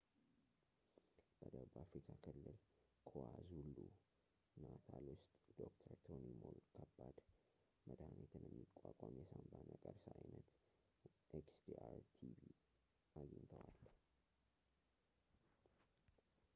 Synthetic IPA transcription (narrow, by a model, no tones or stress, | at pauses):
b̥əd̪əbəʔafɾikʰakʰɨlːɨlkʰoazulːu | nat̪ʰalwʊst̪ʼd̪̥okt̪ʰəɾt̪ʰonimolkʰəbːad̪̥ | məd̪hanet̪ʰɨnjɛmːikʼːakʼamjɛsambanəkʼəɾsajnət̪ | ʔeksd̪iaɾt̪ʰibi | ʔaɡint̪ʰəwal